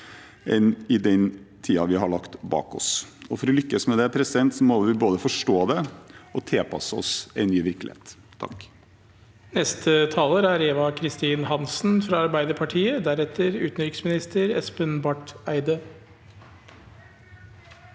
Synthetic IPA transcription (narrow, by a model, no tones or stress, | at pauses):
ɛnɪd̪ɛnt̪ʰiːɑʋɪɦɑɭɑkt̪bɑ̰ːkɔ̰sɔfɔɾɔlʏkːəsmɛd̪ɛæɾpʰɾɛsɪd̪ɛnt̪sɔmoːʋɪboːd̪əfɔʂʈoːd̪ɛɔt̪ʰɛpʰɑ̰səɔ̰sɛɪnːyːʋɪɾklɪ̰hḛːt̪ʰːɑ̰k | nɛst̪ʰət̪ʰɑːləɾæɾeːʋɑkʰɾɪst̪iːnhɑnsn̩fɾɑɑɾbæɪd̪əɾpʰɑʈʰiːəd̪æɾɛt̪ʰəɾʉːt̪nɾɪkəsmɪnɪst̪ʰəɾɛ̰spənbɑʈæɪd̪ə